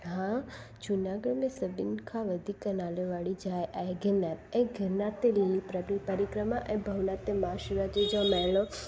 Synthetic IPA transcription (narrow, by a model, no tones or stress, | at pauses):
ɦã | d͡ʒunaɡəɽmẽsəbinkʰaʋəd̪ʱikənaleʋaɭid͡ʒajʔajɡɪnɛpẽɡʱɪɾnat̪elilipɾəbɾipəɾikɾəmaʔẽbʱəʋnat̪emaːʃɾad͡ʒed͡ʒɔmɛlo